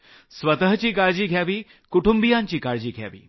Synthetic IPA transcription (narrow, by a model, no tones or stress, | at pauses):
sʋət̪əɦt͡ɕiːkaɾd͡ʑiːɡʱjaʋiː | kuʈumbijãɲt͡ɕiːkaɾd͡ʑiːɡʱja̰ʋḭː